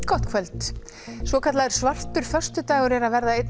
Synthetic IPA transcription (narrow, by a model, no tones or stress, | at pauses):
kɔht̪kʰvɛlt̪ | svɔkʰat̪laɛɾ̥svar̥t̪ʏɾ̥fœr̥st̪ʏt̪aːjɣɔɾɛɾavɛɾðaejt̪n